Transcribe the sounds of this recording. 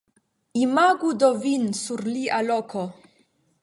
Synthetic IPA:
imaɡud̪ovinsuɾliʔalɔkʰo

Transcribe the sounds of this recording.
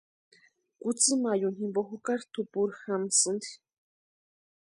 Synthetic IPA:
kut͡sɨmajunhimboxukaɾt̪ʰupuɾxamsɨnd̪i̥

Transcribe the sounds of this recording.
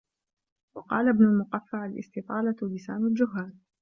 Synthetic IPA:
wɑqɑːlabnʊlmʊqafːaʕalʔɪ̰st̪ɪt̪ˤɑːlalɪsaːnald͡ʒʊɦːaːn

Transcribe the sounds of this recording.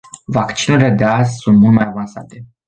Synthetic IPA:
vakt͡ʃinuɾʲile̞d̪eazʲsunt̪mult̪majavansa̰t̪e̞

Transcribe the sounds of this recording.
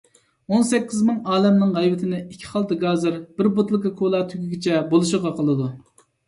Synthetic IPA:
onsɛkʲːizmɨŋɑːlɛmnɨŋʁɛjvɪt̪ʰɪnɪikʲʰːi̥χɑlˠt̪ɑɡɑːzɨɾb̥ɪɾbot̪lˠɨkʲɑkʰolˠɑːt̪ʰyɡʲyɡʲit͡ʃʰɛbolˠuʃəʁɑqʰəlˠɨd̪u

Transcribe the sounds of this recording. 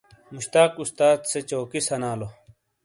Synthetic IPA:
muɕt̪aːkust̪aːd̪set͡ɕoːkisɐnaːlo

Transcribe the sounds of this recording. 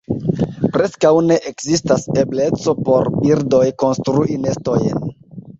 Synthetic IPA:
pɾe̞skawne̞ʔekzistase̞ble̞t͡so̞po̞ɾbiɾdo̞jko̞nstɾuʔine̞sto̞jn

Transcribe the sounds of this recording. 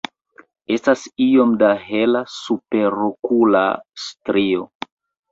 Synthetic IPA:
e̞stasio̞mdaɦe̞lasupe̞ɾokula̰stɾio̞

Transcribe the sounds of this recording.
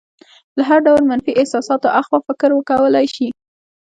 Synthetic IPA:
laɦaɾɖawlmanfiʔɪhsɑsɑt̪oʔaxwafɪkɾwəkawəlajʃi

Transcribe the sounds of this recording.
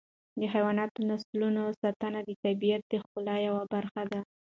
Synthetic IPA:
d̪əxajwɑnɑt̪onaslunosat̪anad̪ət̪abijat̪̚d̪əxʊlɑjawabaɾxad̪a

